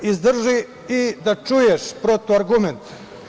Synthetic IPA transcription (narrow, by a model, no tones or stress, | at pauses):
izd̪r̩ʒi | id̪at͡ʃujeʃpɾot̪oaɾɡument̪